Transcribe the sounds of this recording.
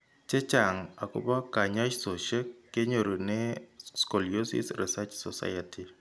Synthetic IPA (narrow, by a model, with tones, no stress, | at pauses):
t͡ʃe˦t͡ʃa˨ŋa˨ko̰˦ba˦ka˨ɲa˦t͡ʃso˨ʃe˦kːe˦ɲo˨ɾo˨ne˦sko˨lijo˦sḭ˦sɾḭ˨sa˦t͡ʃsɔ˨sa̰˦jati˨